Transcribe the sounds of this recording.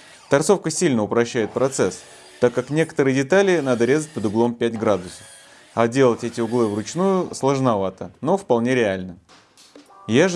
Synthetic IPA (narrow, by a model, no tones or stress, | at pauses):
t̪ɐrt̪so̞fkəsʲilʲnəʊpɾɐɕːæjɪt̪̚pɾɐt̪sɛs | t̪akːaknʲe̞kə̥t̪əɾɨjədʲɪt̪alʲɪnad̪əɾʲe̞zət̚ʲpəd̪ʊɡlˠo̞mpʲætʲɡɾad̪ʊsə̥f | ɐdʲe̞lˠətʲɛtʲɪʊɡlˠɨvrʊt͡ɕnujʊslˠəʐnɐvat̪əno̞fpɐlˠnʲeɾʲɪalʲnə | ja